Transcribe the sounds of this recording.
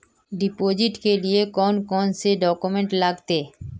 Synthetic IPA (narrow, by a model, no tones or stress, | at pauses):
ɖipod͡ʑiʈkeliekɔnkɔnseɖɔkumeɳʈlaɡt̪e